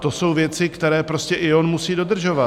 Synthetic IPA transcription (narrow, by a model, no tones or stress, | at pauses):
t̪o̞so̞wvjɛt͡sɪkt̪ɛɾɛːpɾo̞scɛʔɪo̞nmusiːdo̞d̪r̩ʒo̞va